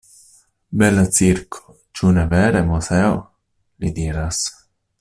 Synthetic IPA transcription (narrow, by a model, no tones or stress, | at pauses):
bɛlat̪t͡siɾkʰo̥ | t͡ʃunevɛːɾemusɛo | lid̪iːɾas